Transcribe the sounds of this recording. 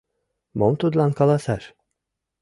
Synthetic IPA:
momt̪ʰud̪lankalˠasæɾ

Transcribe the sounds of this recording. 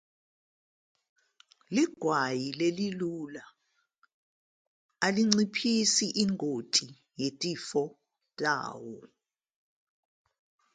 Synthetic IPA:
liɡ̥ʱwajilelilula | aliŋ͡ǀipʰisiʔiŋʱotʼi | jetʼifɔ | tʼa̰ːwɔ

